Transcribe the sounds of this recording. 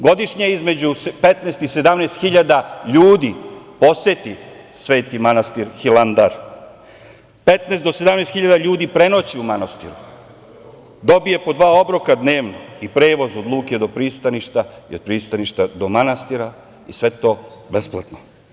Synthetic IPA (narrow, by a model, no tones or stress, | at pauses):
ɡo̞d̪iʃɲeizme̞d͡ʑuspet̪neːst̪ised̪amneːst̪xiʎad̪aʎuːd̪ipo̞set̪i | sʋe̞ːt̪imanast̪iɾxilˠand̪aɾ | pet̪nesd̪osed̪amnest̪xiʎad̪aʎuːd̪ipɾe̞no̞t͡ɕiumanast̪ḭɾu | d̪o̞bije̞po̞d̪ʋaːo̞bɾokad̪neːʋnoipɾe̞ːʋo̞zod̪lˠuːked̪o̞pɾiːst̪aniʃt̪aiod̪̚pɾiːst̪aniʃt̪ad̪o̞manast̪iɾa | ḭsʋe̞t̪o̞besplat̪no